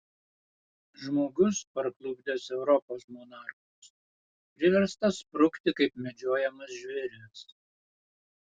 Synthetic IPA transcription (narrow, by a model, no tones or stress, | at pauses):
ʒmoːɡʊspɐɾklˠʊbʲd̪ʲɛsɛʊɾɔpoːsmɔnɑˑɾxʊs | pʲɾʲɪʋʲɛɾst̪ɐspɾʊkt̪ʲɪkɐɪpmʲɛd͡ʒʲoːjɛmɐsʒʲʋʲɛɾʲɛs